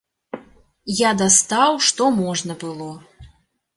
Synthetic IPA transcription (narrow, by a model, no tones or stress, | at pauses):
jad̪ast̪awʂt̪ɔmɔʐnɐbɨlˠɔ